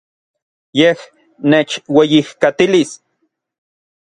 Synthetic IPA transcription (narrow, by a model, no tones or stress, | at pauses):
jeh | neːt͡ʃwejihkat̪ilis